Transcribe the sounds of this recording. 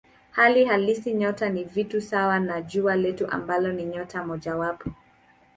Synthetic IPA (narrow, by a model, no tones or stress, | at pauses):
halihalisiɲɔtanivitusawanaʄualɛtuʔa̰mbalɔniɲɔtamɔʄawapɔ